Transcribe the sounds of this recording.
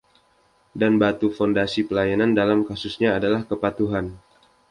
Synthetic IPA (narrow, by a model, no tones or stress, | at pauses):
danbat̪ufondasipəlajanandalamkasusɲaːdalahkəpat̪uɦan